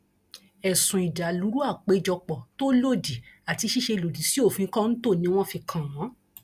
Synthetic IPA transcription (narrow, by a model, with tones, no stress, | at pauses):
ɛ˨sũ˨i˨da˨lu˨˦ɾu˦a˦˨k͡pe˨˦d͡ʒɔ˧k͡pɔ˨to˦lo˦˨di˨a˨ti˧ʃi˦ʃe˧lo˨di˨si˦o˦˨fũ˧ĩ˧kã˦n̩˦to˦˨nĩ˧˦w̃ɔ̃˦fi˧kʰã˨w̃ɔ̃˨˦